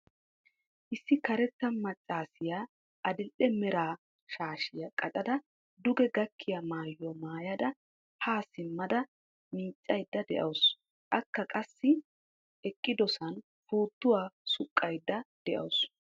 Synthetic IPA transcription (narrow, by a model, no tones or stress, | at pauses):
ʔɪsːɪkɐɾɛt͡sːɐmɐt͡ʃʼːaːsɪja | ʔɐd̪ɪlʔɛmɛɾaː | ʃaːʃɪjɐkʼɐtʼɐd̪ɐ | d̪ʊɡɛɡɐkʰːɪjɐmaːjːɔmaːjɐd̪ɐ | haːsɪmːɐd̪ɐ | miːt͡sʼːɐjd̪ːɐd̪ɛʔɐws | ʔɐkːɐkʼɐsːɪ | ɛkʼːɪd̪ɔsɐn | fuːt̪ːʊwaːsʊkʼːɐjd̪ːɐd̪̥ɛʔɐ̰ws